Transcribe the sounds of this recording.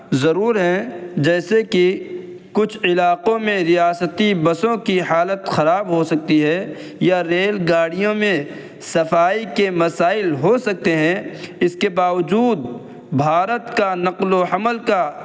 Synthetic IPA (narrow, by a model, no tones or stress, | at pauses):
zɐɾuːɾɦɛ̃d͡ʒɛːseki | kʊt͡ʃʰɪlaːqõmẽɾɪjaːsət̪ibɐsõkiɦaːlət̪xɐɾaːbɦosɐk̚t̪iɦɛ | jaɾeːlɡaːɽijõmẽ | sɐfaːikemɐsaːɪlɦosɐk̚t̪eɦɛ̃ɪskebaːʋəd͡ʒuːd̪̚ | bʱaːɾət̪kanɐqloɐməlka